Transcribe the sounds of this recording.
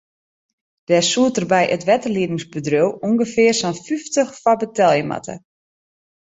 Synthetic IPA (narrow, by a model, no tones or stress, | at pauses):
d̥ɛsuətərbɛjʔətʋɛtərliənɪŋsbədrøwuŋɡəfɪərsɔnfyftəxfɔbətɛlˠjəma̰tʰə̰